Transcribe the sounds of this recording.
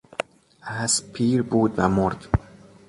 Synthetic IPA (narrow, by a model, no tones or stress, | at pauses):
ʔæspʰiːɾbuːd̪væmoɾd̪̥